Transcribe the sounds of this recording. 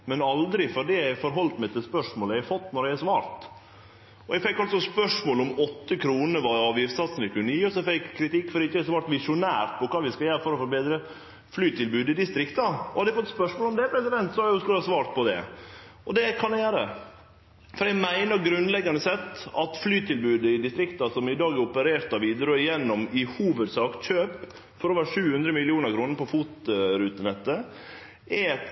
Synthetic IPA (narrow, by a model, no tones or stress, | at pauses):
mɛnɑld̪ɾɪfɔɖiæɪfɔɾɦɔlt̪mɛɪt̪ɪlspœʂmoːləæfɔt̪ːnɔɾjæɪæsʋɑːɾt̪ | ɔɛɡfɛkːɑlsɔspœʂmoːlɔmɔt̪ːəkʰɾuːnəʋɑɾɑːʋjɪft̪sɑt̪snɛkʰʉnːəjiːɔsɔfɛkʰːɾɪt̪ɪkːfɔɾɪçːəɛsʋɑːɾʈ̪ʋɪʂʊnæ̰ːɾʈ̪pʰɔkʰɑːʋɪskɑjæːɾəfɔɾɔfɔɾbeːd̪ɾə | flyːt̪ʰɪlbʉːd̪ɪd̪ɪst̪ɾɪkt̪ɑɔhɑd̪ɛɪfɔt̪ːspœʂmoːlɔmd̪ɛpʰɾɛsɪd̪ɛnt̪sɔɑjʊskʉləhɑsʋɑːɾt̪̚pʰɔd̪ɛ̰ʔɔd̪ɛkʰɑnd̪ɛjæːɾə | fɔɾæmæɪnəɾɡɾʉnlɛɡːɑnəsɛt̪ːɑt̪flyːt̪ʰɪlbʉːd̪əɪd̪ɪst̪ɾɪkt̪ɑsɔmɪd̪ɑːɡɛɾɔpəɾeːɾt̪ɑʋiːd̪əɾøːjɛnːɔmɪhuːʋəd̪sɑːkt̪ɕøːp | fɔɾɔʋæːɾʂʉːhʉnd̪ɾəmɪlɪuːnəɾkʰɾuːnəɾpʰɔfuːt̪ɾʉːt̪ənɛt̪ːə | æ